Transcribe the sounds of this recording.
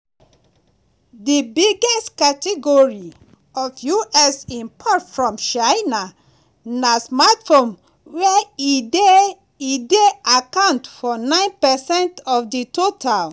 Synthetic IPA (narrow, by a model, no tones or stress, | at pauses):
dibiɡɛstkatɛɡoɹi | ɔfjuʔɛsĩmpʰɔtfɹɔ̃mt͡ʃaɪna | nasmatfõn | wɛi | ideakãʊ̃ntfɔnãɪ̃npɛsɛ̃ntɔfditotʰal